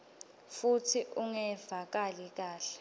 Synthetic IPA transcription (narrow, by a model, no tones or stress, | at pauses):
futʰiʔuŋɛvak̬alik̬aːɬɛ̥